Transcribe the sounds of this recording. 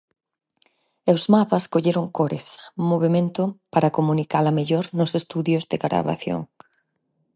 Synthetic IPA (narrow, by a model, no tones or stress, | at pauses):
ewzmapɐskoʎeɾʊŋkoɾesmoβ̞emẽnt̪ʊpaɾɐkomũnikalɐmeʎɔɾnʊsest̪uðjʊzðɪɣɾa̰βa̰θjo̰ŋ